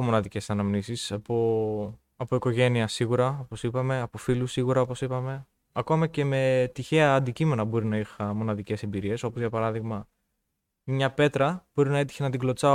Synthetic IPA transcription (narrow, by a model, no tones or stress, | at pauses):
omo̞nɐðice̞sɐnɐmnisisɐpo | ɐpo̞iko̞ʝe̞niɐsiɣuɾɐo̞po̞sipɐme̞ɐpo̞filusiɣuɾɐo̞po̞sipɐme̞ | ɐko̞mɐce̞me̞t̪içe̞ɐːnd̪icime̞nɐbo̞ɾinɐixɐmo̞nɐðice̞se̞mbiɾie̞so̞pozʝɐpɐɾɐðiɣmɐ | mɲɐpe̞t̪ɾɐb̥o̞ɾinɐe̞t̪i̥çenɐt̪iɡlo̞t͡sɐ